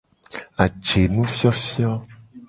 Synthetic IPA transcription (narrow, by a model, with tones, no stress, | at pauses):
a˨t͡ʃe˨nũ˦fjɔ˦fjɔ˦